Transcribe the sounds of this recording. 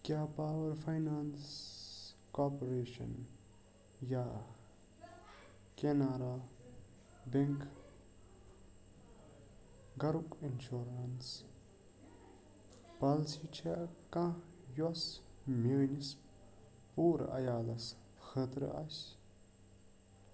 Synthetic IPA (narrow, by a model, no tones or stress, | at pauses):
kjaːpaːwɐɾfʰɐjnaːns | koːpɾeːʃɐ̰n | ja | kenaːɾa | beŋk | ɡɐɾukinʃoɾɐns | palsit͡ʃʰekã | jɔsmenis | puːɾɐ̰jaːlɐs | xʰət̪ɾ̰ʔas